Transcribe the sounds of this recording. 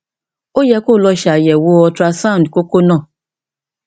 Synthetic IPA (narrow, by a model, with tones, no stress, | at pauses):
o˦jɛ˧˦ko˦˨lɔ˧ʃa˨jɛ˨wo˧˦ɔ˧tɾa˧sã˦˨dko˦ko˦nãː˦˨